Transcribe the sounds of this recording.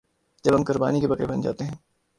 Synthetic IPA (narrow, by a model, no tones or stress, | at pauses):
d͡ʒɐbɦɐmkʊɾba̰ːnikebɐqɾebɐnd͡ʒa̰ːt̪eɦɛ̃ː